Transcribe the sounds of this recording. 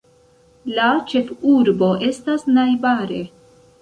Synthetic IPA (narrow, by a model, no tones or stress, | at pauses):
lat͡ʃe̞fuɾbo̞ʔe̞stasnajbaɾe̞